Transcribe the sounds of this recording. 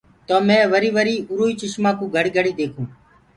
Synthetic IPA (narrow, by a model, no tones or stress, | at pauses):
t̪oːmɛ̃ːʋəɾiːʋəɾiːʊɾoːiːt͡ʃɪʃmãːkũːɡʱəɽiːɡʱəɽiːd̪eːkʰũː